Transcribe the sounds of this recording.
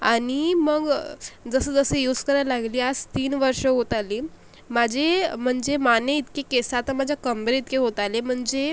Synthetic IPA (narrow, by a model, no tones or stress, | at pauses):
animəɡd͡zəsəd͡zəsəjud͡zkəɾajalaɡliːad͡zt̪iːnʋəɾʂəɦot̪aliː | mad͡ʑʱem̤əɳd͡zemaneit̪kekesat̪əmad͡ʑʱjakəmbɾeit̪keɦot̪alem̤əɳd͡ze